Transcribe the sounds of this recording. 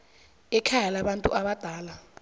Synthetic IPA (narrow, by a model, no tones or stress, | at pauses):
ɛkʰajɛlaɓantʼṵʔaɓad̥ʱaːla